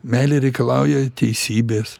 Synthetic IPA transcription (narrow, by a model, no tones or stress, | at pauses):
mʲæːlʲeɾʲɛɪkɐlˠɑˑʊjɛt̪ʲɛɪsʲiːbʲeːs